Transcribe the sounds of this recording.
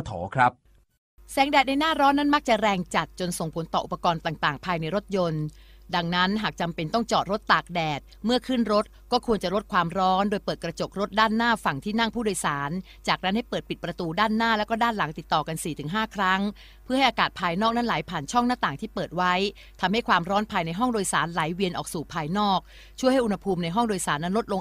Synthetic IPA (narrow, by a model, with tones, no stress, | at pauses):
t̪ʰɔ̰ː˩˦kʰɾa˦˥p̚ | sɛː˩˦ŋdɛː˨˩na˧jnaː˥˩ɾɔː˦˥nːa˥nma˦˥k̚t͡ɕa˨˩ɾɛː˧ŋt͡ɕa˨˩t̪̚t͡ɕo˧nso˨˩ŋpʰo˩˦nt̪ɔː˨˩ʔu˨˩pːa˧kɔː˧nt̪aː˨˩ŋt̪aː˨˩ŋpʰaː˧jna˧jɾo˦˥t̪̚jo˧nda˧ŋna˦˥nɦaː˨˩k̚t͡ɕa˧mpe˧nt̪ɔ˥˩ŋt͡ɕɔː˨˩t̪̚ɾo˦˥t̪ːaː˨˩k̚dɛː˨˩t̪̚mɯ˥˩kʰɯ˥˩nɾo˦˥t̪̚kɔː˥˩kʰu˧ənt͡ɕa˨˩ɾo˦˥t̪̚kʰwaː˧mɾɔː˦˥ndoː˧jpɤː˨˩t̪̚kɾa˧t͡ɕo˨˩k̚ɾo˦˥t̪̚daː˥˩nːaː˥˩fa˨˩ŋt̪ʰiː˥˩na˥˩ŋpʰuː˥˩doː˧jsaː˩˦n | t͡ɕaː˨˩k̚na˦˥nha˥˩jpɤː˨˩t̪̚pi˨˩t̪̚pɾa˧t̪uː˧daː˥˩nːaː˥˩lɛː˦˥wkɔː˥˩daː˥˩nla˩˦ŋt̪i˨˩t̪ːɔː˨˩ka˧nsiː˨˩t̪ʰɯ˨˩˦ŋɦaː˥˩kʰɾa˦˥ŋ | pʰɯ˥˩ha˥˩ʔaː˧kaː˨˩t̪̚pʰaː˧jnɔː˥˩k̚na˦˥nlaː˩˦jpʰaː˨˩nt͡ɕʰɔ˥˩ŋnaː˥˩t̪aː˨˩ŋt̪ʰiː˥˩pɤː˨˩t̪̚wa˦˥j | t̪ʰa˧mha˥˩jkʰwaː˧mɾɔː˦˥npʰaː˧jna˧jɦɔ˥˩ŋdoː˧jsaː˩˦nla˨˩˦jwi˧ənʔɔː˨˩k̚suː˨˩pʰaː˧jnɔː˥˩k̚ | t͡ɕʰu˥˩əjha˥˩ʔu˧nha˧pʰuː˧mna˧jɦɔ˥˩ŋdoː˧jsaː˩˦nːa˦˥nɾo˦˥t̪̚lo˧ŋ